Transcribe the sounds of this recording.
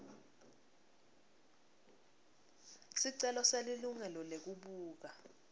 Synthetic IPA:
siǀɛlɔseliluŋɛlɔlek̬uɓuːk̬a

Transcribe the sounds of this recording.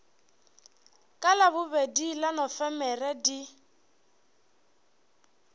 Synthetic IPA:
kʼalabʊbedilanɔfɛmɛrɛdi

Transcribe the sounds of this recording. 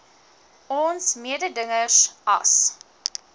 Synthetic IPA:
ɔnsmiədədəŋəsʔɐ̰s

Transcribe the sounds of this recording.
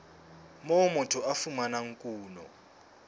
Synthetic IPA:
mɔmɔtʰɔafumanaŋ̩kʼuːnɔ̰

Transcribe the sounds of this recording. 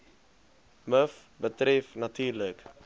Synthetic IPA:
məf | bətɾɛfnɐtyːrlək

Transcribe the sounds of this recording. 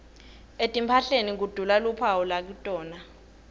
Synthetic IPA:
etʼimpʰaɬenik̬ud̥ʱulalupʰawulak̬utʼɔːna

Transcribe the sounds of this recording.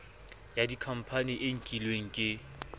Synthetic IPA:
jadikʰam̩pʰaniʔeŋ̩kʼilweŋ̩kʼɪ

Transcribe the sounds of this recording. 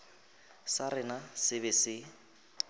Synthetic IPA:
sarɪnasɪbɪsɪ

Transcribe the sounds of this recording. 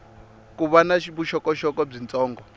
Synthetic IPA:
kuβanaʃiβuʃɔkɔʃɔkɔb͡ʐint͡sʼɔːŋɡɔ

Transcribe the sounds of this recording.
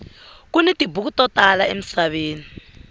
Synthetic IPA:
k̬unɛtʼibuk̬utʼɔtʼalaḛm̩saɓeːni

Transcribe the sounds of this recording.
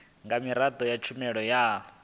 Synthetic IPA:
ŋɡamiɾad̪ʱɔjat͡ʃʰumɛɺɔjaː

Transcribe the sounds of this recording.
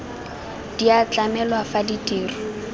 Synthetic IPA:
d̥iat͡ɬʼamɛlwafaditʼiːrɔ

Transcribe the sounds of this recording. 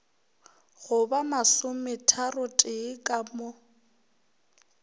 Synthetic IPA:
ɣʊbamasʊmɪtʰarʊtʼɪkʼamʊ

